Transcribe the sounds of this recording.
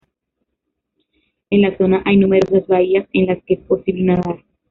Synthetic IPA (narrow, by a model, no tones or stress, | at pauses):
e̞nlaso̞naʔajnume̞ɾo̞sazβaiase̞nlaskeespo̞siβlenaðaɾ